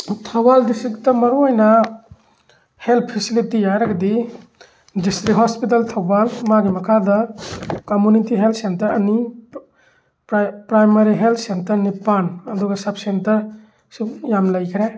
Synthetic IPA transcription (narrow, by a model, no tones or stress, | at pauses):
tʰɐwaldistɾik̚tɐmɐɾuɔjnɐ | heltʰpʰisilitijajɾaɡɐdi | distɾiɦɔspit̬altʰawbalmaɡimɐkʰadɐkomjunitiɦeltsentɐɾɐni | ɾpɾajmaɾiɦelt̪ʰsentɐɾnipanɐduɡɐsap̚sentɐɾ | sukjamlɐjkʰɾe